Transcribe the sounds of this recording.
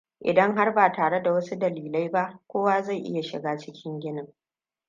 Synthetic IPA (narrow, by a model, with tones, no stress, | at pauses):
ʔɪ̰˨dɐ˦ŋɦa˦rbaː˨taː˨ɽe˦da˨wɐ˦su˦dɐ˨liː˨la˦jba˦ʔkʷoː˦waː˦za˦˨jʔɪ̰˦ja˨ʃɪ̰˨ɡaː˦t͡ʃɪ˦kʲɪ˦ŋɡʲɪ˦nɪ˨ŋ